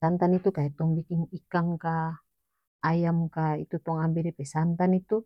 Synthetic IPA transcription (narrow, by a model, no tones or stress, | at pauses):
ant̪anit̪ukaɛt̪ɔŋbikiŋikaŋkaː | jamkait̪ut̪ɔŋambɛdɛpɛsant̪anit̪u